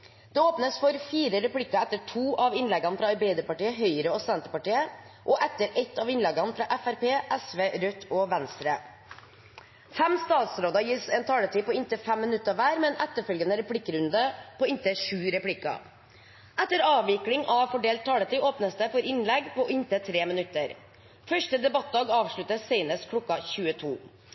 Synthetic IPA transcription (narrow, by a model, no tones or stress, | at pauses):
d̪̥ɛoːpnəsfɔɾfiːɾəɾɛpɽɪkːɑɛt̪ːəʈʰuːʔɑʋɪnlɛɡɑnfɾɑɑɾbɛɪd̪əpɑʈiːəɦœʏɾəɔsɛnt̪əpɑʈiːə | ʔɔʔɛt̪ːəɾɛt̪ʰːɑʋɪnlɛɡɑnfɾɑʔɛfæɾpeːʔæsʋeːɾœt̪ʰːɔʋænst̪ɾə | fɛmst̪ɑːt̪sɾoːd̪ɑjɪsɛːnt̪ʰɑːlət̪ʰiːpɔɪnt̪əfɛmːɪnʉt̪ːəʋæːɾmɛːnɛt̪ːəfœlɡənəɾɛpʰɽɪkːəɾʉnd̪əpʰɔɪnt̪əʂʉːɾɛpɽɪkɑ̰ | ʔɛt̪ːəɾɑːʋʋɪklɪŋɑʋfɔɖeːlt̪ʰːɑːlət̪iːoːpnəsd̪əfɔɾɪnlɛɡpɔʔɪnt̪ət̪ʰɾeːmɪnʉt̪ːəɾ | fœʂʈəd̪ɛbɑt̪̚d̪ɑːɡɑːʋʂɭʉt̪əsɛɪnəskʰlɔkːɑçʉːət̪ʰuː